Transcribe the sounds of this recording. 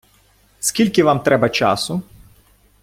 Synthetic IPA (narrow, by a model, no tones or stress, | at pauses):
skilʲkivamt̪ɾɛbat͡ʃa̰ːsu